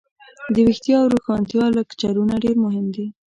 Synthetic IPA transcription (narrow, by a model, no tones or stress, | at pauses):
d̪əwixt̪jɑwɾuxɑnt̪jɑlakt͡ʃaɾunaɖeɾmʊɦɪmd̪i